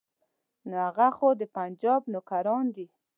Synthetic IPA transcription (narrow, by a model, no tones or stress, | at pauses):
nohaɣaxod̪əpand͡ʒɑbnokaɾɑnd̪i